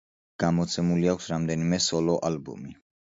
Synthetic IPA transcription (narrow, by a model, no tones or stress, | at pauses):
ɡ̥amɔt̪sʰɛmuliakʷʰsɾamd̪ɛnimɛsɔlɔʔalbɔ̰mi